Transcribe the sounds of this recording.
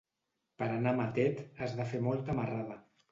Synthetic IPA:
pəɾanamat̪ɛt̪əzðafemɔlˠt̪əmaraðə

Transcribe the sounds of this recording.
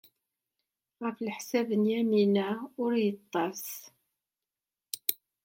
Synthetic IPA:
ʁəflħsævənjæminæʊɾjət̪ˤːɑs

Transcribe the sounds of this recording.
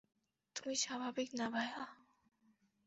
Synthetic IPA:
t̪umiʃabʱaːbɪknabʱaja

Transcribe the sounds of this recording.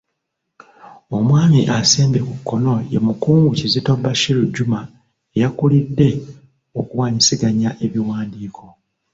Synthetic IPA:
o̞mwaːmḭʔaseːmbe̞kukːo̞no̞jḛmukuːŋɡucizitobaʃiluɟːuma | ejakulidːe̞ | o̞kuwaːɲisiɡaɲaʔe̞βiwaːndiːkʰo̞

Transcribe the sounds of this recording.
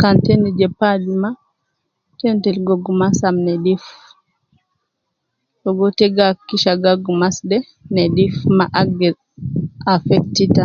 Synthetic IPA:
kantɛnid͡ʒɛpad͡ʒima | tɛntɛlɡɔɡumasamnɛdif | tɔɡɔtɛɡakːiʃaɡaɡumasdɛ | nɛdifmaʔaɡɛ | afɛktita

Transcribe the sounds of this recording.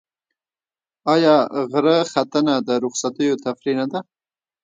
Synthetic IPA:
ɑjɑɣɾəxat̪ənad̪əɾʊχsat̪əjot̪afɾinad̪a

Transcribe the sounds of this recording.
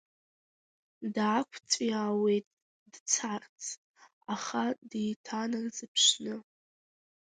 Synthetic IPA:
dːkʷʰt͡sʷʼjawe̞jtʼ | d̥t͡sʰart͡sʰʼ | aχaditʰanarzɨpʰʂnɨ

